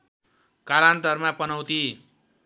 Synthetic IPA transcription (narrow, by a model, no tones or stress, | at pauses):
kalant̪ʌrmapʌnʌwt̪i